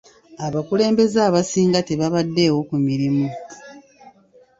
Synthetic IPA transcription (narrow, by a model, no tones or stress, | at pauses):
aβakule̞ːmbe̞zaːβasiːŋɡateβaβadːe̞ːwo̞kumiɾimu